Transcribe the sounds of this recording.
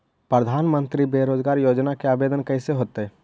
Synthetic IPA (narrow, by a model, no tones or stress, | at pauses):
pɾəd̪ʱaːnmə̃nt̪ɾibeːɾoːd͡ʒɡaːɾjoːd͡ʒnakeaːbeːd̪ənkəseɦoːt̪eɛ